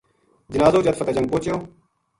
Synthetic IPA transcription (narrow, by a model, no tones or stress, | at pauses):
d͡ʑɪnaːzoːd͡ʑɐt̪fɐt̪ɐd͡ʑɐ̃ŋɡ̚poːt͡ɕjoː